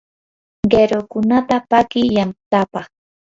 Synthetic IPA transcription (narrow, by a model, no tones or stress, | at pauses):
ɢeɾokʊnat̪apakɪjant̪apɑχ